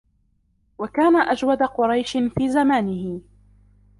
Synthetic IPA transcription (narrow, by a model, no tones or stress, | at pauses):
wakaːnaʔad͡ʒwad̪aqʊɾˤɑjʃɪfiːzamaːnɪhɪ